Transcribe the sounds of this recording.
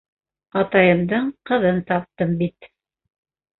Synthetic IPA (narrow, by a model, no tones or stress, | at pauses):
ɑt̪ɑjɤ̆md̪ɤɴqɤ̆ðɤnt̪ɑp̚t̪ɤmbit̪